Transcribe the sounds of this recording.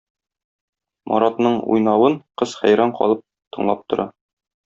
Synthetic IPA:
mʔɒ̰ɾɑt̪nɤɴṵjnɑwɤɴqɤzχæ̰jɾɑɴqɒ̰lˠɤp̚ | t̪ɤ̆ɴlˠɑp̚t̪ŏɾɑ

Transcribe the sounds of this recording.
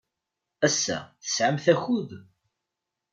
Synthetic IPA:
æsːæ̰θə̥sʕəmθæçuð

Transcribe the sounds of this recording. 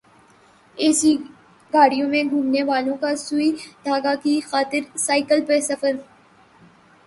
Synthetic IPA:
eːsi | ɡʱaːɽijõmẽɡʱũːmneʋaːlõkasʊid̪ʱaːɡakixaːt̪ɪɾsaːɪkəlpesɐfəɾ

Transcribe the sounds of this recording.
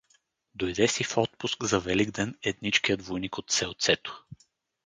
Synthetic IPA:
d̪ojd̪ɛsifɔt̪̚pʊskzɐvɛliɡd̪ɛnɛt̪nit͡ʃkijəd̪vojnikot̪sɛlˠt̪sɛt̪o̥

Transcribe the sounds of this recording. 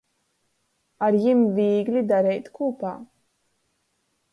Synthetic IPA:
aɾjimviːɡlʲid̪aɾɛjt̪kuːpaː

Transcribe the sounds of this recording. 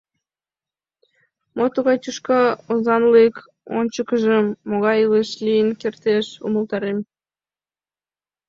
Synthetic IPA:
mot̪uɣɑjt̪ʲuʃkɑozɑnlek | o̰nʲt͡ɕəkəʒəmːoɣɑjeleʃlijənkert̪eʃṵməlˠt̪ɑɾem

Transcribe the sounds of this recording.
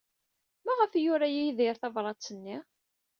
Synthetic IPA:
mæʁəfjʊɾæjijðɪɾθɑvɾˤɑt͡sːənːi

